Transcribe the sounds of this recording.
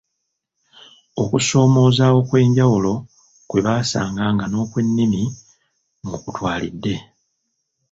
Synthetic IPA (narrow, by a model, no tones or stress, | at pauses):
o̞kuso̞ːmo̞ːzaːwo̞kwe̞ːɲɟawulo̞ | kwe̞βaːsa̰ːŋɡaːŋɡano̞ːkwe̞nːimi | mukutwaːlḭdːe̞